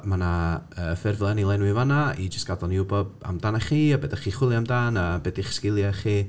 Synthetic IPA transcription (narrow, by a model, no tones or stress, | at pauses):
manaəːfɪrvlˠɛnilˠɛnwɪvanaid͡ʒəstɡ̥adɔniʊbɔda̰mdanaχiːabɛdaχiːχwɪlˠiamdaːnabɛdiɪχskɪlˠjaχiː